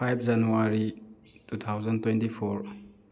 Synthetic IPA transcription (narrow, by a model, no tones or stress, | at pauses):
pʰajp̚ʰd͡ʒanuaɾi | tutʰawzɐntwentipʰɔɾ